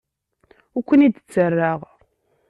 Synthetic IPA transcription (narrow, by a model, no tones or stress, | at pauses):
ʊkʷːənid̪t͡sːərːaʁ